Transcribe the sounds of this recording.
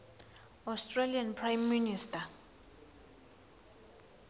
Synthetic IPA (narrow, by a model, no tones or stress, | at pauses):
ɔstʰʼralianpʰrajmːinistʰa